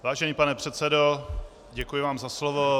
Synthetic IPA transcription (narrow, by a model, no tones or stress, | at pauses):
vaːʒɛɲiːpanɛpr̥ɛt̪sɛdo | ɟɛkujɪvaːmzaslovo